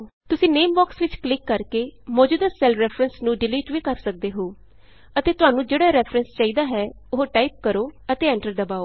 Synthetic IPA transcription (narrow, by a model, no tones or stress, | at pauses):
t̪ʊsĩːneːmbaːksʋɪt͡ʃklɪkːəɾkeːmɔːd͡ʒuːd̪əsɛːlɾɛːpʰɾənsnũːɖɪliːʈʋiːkəɾsək̚d̪eːɦoː | ət̪eːt̪ʊaːnũːd͡ʒeːɽaːɾɛːpʰɾənst͡ʃaːiːd̪aːɦɛː | ʊɦoʈaːiːp̚kəɾoːət̪eːɛ̃ːɳʈəɾd̪əbaːoː